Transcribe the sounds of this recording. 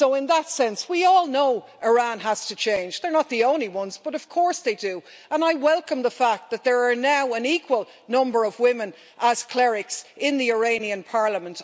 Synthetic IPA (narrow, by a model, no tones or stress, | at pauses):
soʊɪ̃nðətsɛ̃nswiɔlˠnoʊ | ʔəɹãnɦaz̥tʰɨt͡ʃʰẽɪ̃nd͡ʒðə˞nət̪̚ðiõʊ̃nliwʌ̃nzb̥ʌɾʌv̥kʰɔɹsðeɪdɨ | ə̃naɪwɛlˠkə̃mðəfak̚t̪̚ðɨt̪̚ðə˞ːnaʊə̃nikʰwəlˠ | nʌ̃mbə˞ʌvwɪ̃mə̃n | ʔəz̥kʰl̥ɛɹɪksɪ̃nðiə˞ẽɪ̃niɨ̃npʰɑɹləmə̃nt